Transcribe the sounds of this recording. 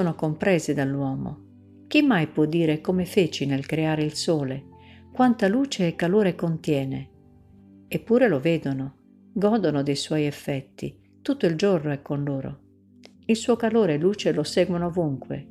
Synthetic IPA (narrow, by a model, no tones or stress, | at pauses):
oːnokompɾɛːzed̪alːwɔːmo̰ | k̟imːajpwɔd̪ːiːɾekomefeːt͡ʃinelkɾeaːɾeilsoːle | kwant̪aluːt͡ʃeːkːaloːɾekont̪jɛːne | epːuːɾeloveːd̪ono | ɡɔːd̪onod̪ejswɔjɛfːɛt̪ːḭ | t̪ut̪ːoild͡ʒornoɛkːonloːɾo̰ | ilsuːokaloːɾelːuːt͡ʃelosɛːɡwonoːvuŋkwḛ